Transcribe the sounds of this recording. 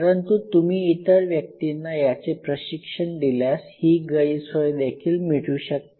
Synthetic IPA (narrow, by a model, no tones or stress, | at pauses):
əɾənt̪ut̪umiːt̪əɾʋjək̚t̪inːajat͡sepɾəɕikʂəɳd̪iljashiːɡəjisəjd̪ekʰiːlmiɽuːɕək̚t̪